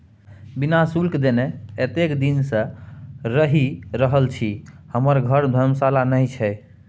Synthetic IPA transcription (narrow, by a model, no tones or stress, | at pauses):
binasulkd̪eneet̪ekd̪insə̃ɾəɦiɾəɦəlt͡ʃʰihəməɾɡʱəɾd̪ʱəɾmsalanəjt͡ʃʰɛ